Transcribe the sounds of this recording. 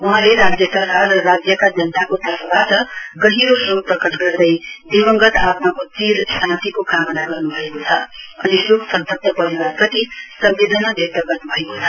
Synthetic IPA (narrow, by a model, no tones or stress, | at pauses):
uɦãleɾad͡zjʌt̪ʌɾɦaʌɾad͡zjʌkad͡zʌnt̪akot̪ʌfʰbat̪ʌɡʌɦiɾosoprʌkʌʈɡʌrd̪ʌjd̪ibʌŋɡʌt̪at̪mʌkot̪iɾsãnt̪ikokamnaɡʌrnubʱʌekot͡sʰʌʌ̰nisoksʌnt̪ʌk̚t̪ʌpʌɾiʌp̪ʌt̪isʌmbed̪ʱənʌb̪ʱet̪ʌɡʌrnubʱʌekot͡sʰʌ